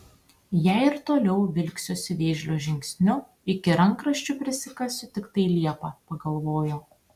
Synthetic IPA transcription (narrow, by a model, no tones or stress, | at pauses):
jæˑɪɪɾt̪oːlʲɛʊʋʲɪlʲksʲoːsʲɪʋʲeːʒʲlʲoːʒʲɪŋʲksʲnʲʊ | ɪkʲɪɾɐŋˑkɾɐʃʲt͡ʃʲʊpʲɾʲɪsʲɪkɐsʲʊt̪ʲɪkt̪ɐɪlʲiɛpɑpɐɡɐlˠʋoːjo